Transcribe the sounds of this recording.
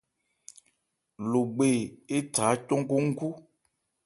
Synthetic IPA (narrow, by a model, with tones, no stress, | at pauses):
lo˨ɡ͡be˨e˦ta˨˦t̪o˦ŋ̩˦ko˦ŋ̩˦ku˦